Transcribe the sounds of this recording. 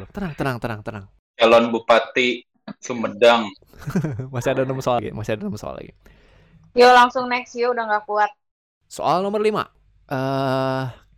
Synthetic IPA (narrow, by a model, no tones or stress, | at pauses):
t̪ənaŋt̪ənaŋt̪ənaŋt̪ənaŋ | t͡ʃalɔnbupat̪i | sumədaŋ | masiadanəməsoaɡḭmasiadanəməsoa̰la̰ɡḭ | jolaŋsʊŋnɛksjoudaŋɡakuat̪̚ | so̰ʔalnomərlima̰ | ʔə